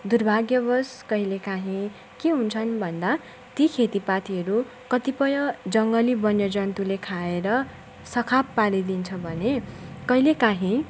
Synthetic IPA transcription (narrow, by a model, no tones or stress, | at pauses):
d̪urbʱaɡjʌbʌskʌɦilekaɦĩ | keɦunt͡sʰʌnbʱʌnd̪a | t̪ikʰet̪ipat̪ʰiɦʌɾu | kʌt̪ipʌjʌd͡zʌŋɡʌlibʌnjʌd͡zʌnt̪ulekʰaeɾʌ | sʌkʰapːaɾid̪int͡sʰʌbʱʌnekʌɦilekaɦĩ